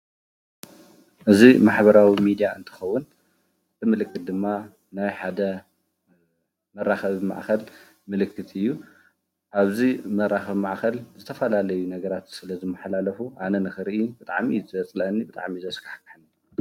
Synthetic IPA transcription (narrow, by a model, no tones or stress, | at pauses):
ʔɨzimaħbɐɾawimid̪ijaʔɨnt̪ʰɨ̥xɐwːʊn | t̪ʰɨmɨlɨkʰʼːɨt̪̚d̪ɨmːa | najħad̪ɐ | mɐɾːaxɐβma̰ʕxɐl | mɨlɨkʰːɨt̪ʰɨjːu | ʔaβzimɐraxɐβmaʕxɐlzɨt̪ʰɐfɐlalɐjunɐɡɐɾat̪sɨlɐzɨmːɐħlalɐfuʔanɐnɨxɨɾʔibɨt̪ʼa̰ʕmizɨɐt͡sʼlɐnːibɨt̪ʼa̰ʕmizɐskʰḁħkɨħnːi